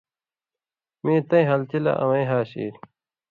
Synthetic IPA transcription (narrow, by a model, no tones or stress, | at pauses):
mẽːt̪ɐ̃ĩɦɐlt͡ɕilɐ̰ʔɐ̰mɐĩɦaːɕḭːɾ